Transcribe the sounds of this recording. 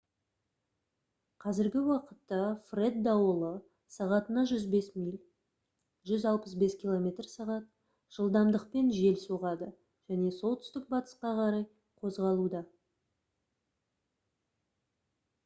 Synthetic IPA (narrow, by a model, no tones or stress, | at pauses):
qʰɑzɪɾɡʲɪwɑqət̪ːɑfre̞d̪ːɑwəlˠə | sɑʁɑt̪ənɑʒʏzbe̞smijlʲ | ʒʏzɑlˠpəs̬be̞skʲʰilˠo̞mʲe̞t̪rsɑʁɑt̪̚ | ʒ̥əlˠd̪ɑmd̪əqpe̞nʒe̞lsuʁɑd̪ə | ʒ̥æne̞so̞lˠt̪ʏ̥st̪ɪk̚bɑt̪ə̥sqɑqʰɑɾɑj | qʰo̞zʁɑlˠud̪ɑ